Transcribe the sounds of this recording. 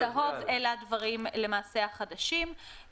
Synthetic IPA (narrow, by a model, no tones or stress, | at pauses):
aɦo̞velad̪vaʁimle̞maːseaχad̪aʃim